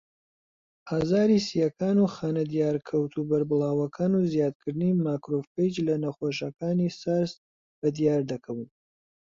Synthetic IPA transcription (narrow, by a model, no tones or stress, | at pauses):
hazaːɾisijɐkʰaːnuxaːnɐd̪ijaːɾkʰɐwt̪ʰubɐɾbɨlˠaːwɐkʰaːnuzjaːd̪̚kʰɨɾd̪ɨnimaːkɾofkejd͡ʒlɐnɐχoʃ̬ɐkaːnisaɾs | bɐd̪ijaːɾd̪ɐkʰɐwɨn